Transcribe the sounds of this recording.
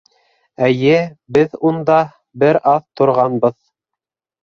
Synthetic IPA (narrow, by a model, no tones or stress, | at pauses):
æjɘbɘðund̪ɑ | bɘɾɑθt̪ŏɾʁɑnbɤð